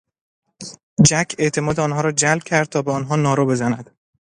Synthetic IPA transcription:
d͡ʒæcʰe̞ʔt̪ʰe̞mɒːd̪eɒːnɦɒːɾɒːd͡ʒælb̚cʰæɾd̪̚t̪ʰɒːbeɒːnɦɒːnɒːɾoːbe̞zænæd̪̥

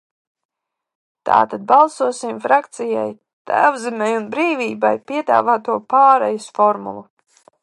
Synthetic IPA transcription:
t̪a̰ːt̪ad̪̚balˠsuɔsimfɾakt̪sija̰j | t̪a̰jabzimajunbɾiːviːbajpiɛd̪a̰ːvaːt̪uɔpaːɾɛjisfɔɾmṵlˠu

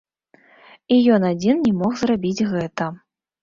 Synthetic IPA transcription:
ijɔnad͡zʲinnʲɛmɔχzrabʲit͡sʲɣɛt̪ɐ

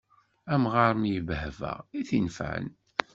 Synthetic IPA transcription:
æmʁɑɾˤmjəvhvæ̰ʁiθinfə̰n

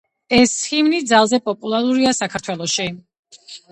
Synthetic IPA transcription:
ɛsχimnid̪zalˠzɛpʼɔpʼulˠaɾuɾiasakʰaɾt̪ʰwɛlˠɔʃi

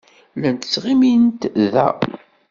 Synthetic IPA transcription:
lænt̪ə̥t͡sːʁimint̪ðæ̰

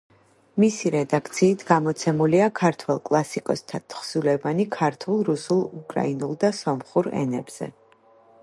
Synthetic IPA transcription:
misiɾɛd̪akʰt̪sʰiːt̪ʰɡamɔt̪sʰɛmuliakʰaɾt̪ʰwɛlˠkʼlˠasikʼɔst̪ʰat̪ʰχsulɛvanikʰaɾt̪ʰulˠɾusulˠukʼɾa̰inulˠd̪asɔmχuɾɛ̰nɛ̰b̥z̥ɛ̰

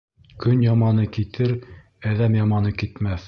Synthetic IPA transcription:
kɵnjɑmɑnɤkit̪ɘɾ | æðæmjɑmɑnɤkit̪mæθ

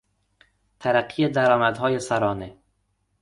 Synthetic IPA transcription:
t̪ʰæɾæqːijed̪æɾɒːmæd̪ɦɒːjesaɾɒːne

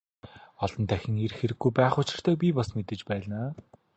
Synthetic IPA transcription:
ɔɮɞ̆nt̪ʰæxʲɪ̆ŋerxeɾɘ̆ɡːujpæːχʊt͡ɕɪ̆r̥t̪ʰœːp̬ʲipɔsmet̪ɘ̆t͡ɕpæːɮnaː

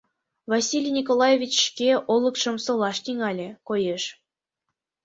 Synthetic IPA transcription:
vɑsʲilʲjnʲikolˠɑjevʲit͡ɕːʃkʲeʔolˠɤ̆kʃɤ̆msɤ̆lˠɑʃt̪ʲiŋɑlʲĕkojeʃ

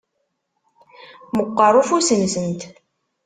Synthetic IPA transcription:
məqːərˤufusənsənt̪

